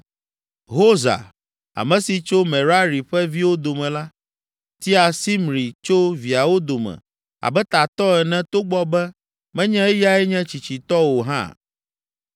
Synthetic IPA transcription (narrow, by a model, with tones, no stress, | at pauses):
ɦo˦za̰˨ | a̰˨mɛ̃˨si˨t͡ʃo˦mɛ̃˨ɾa˦ɾi˨ɸɛ˦vi˦wo˦d̪o˨mɛ̃˨la˦ | t̪i˦a˨si˦mɾi˨t͡ʃo˦vi˨a˨wo˦d̪o˨mɛ̰̃˨ | a̰˨bɛ˦t̪a˨t̪ɔ˦ɛ˨nɛ̃˦t̪o˦ɡ͡bɔ˦bɛ˦ | mɛ̃˦ɲɛ̃˦ɛ˦ja˦ɛ˦ɲɛ̃˦t͡ɕi˨t͡ɕi˨t̪ɔ˦wo˨ɦã̰˦˨